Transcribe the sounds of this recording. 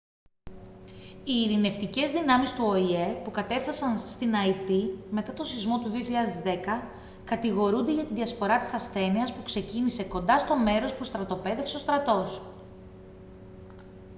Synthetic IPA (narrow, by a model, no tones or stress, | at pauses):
iːɾine̞ft̪ice̞zðinɐmist̪uoiepukɐt̪e̞fθɐsɐnst̪inɐit̪ime̞t̪ɐt̪o̞sizmo̞t̪uðioçiʎɐðe̞zðe̞kɐ | kɐt̪iɣo̞ɾund̪e̞ʝɐt̪iðiɐspo̞ɾɐt̪i̥sɐsθe̞niɐspukse̞cinise̞ko̞nd̪ɐst̪o̞me̞ɾo̞spust̪ɾɐt̪o̞pe̞ðe̞fse̞o̞st̪ɾɐt̪o̞s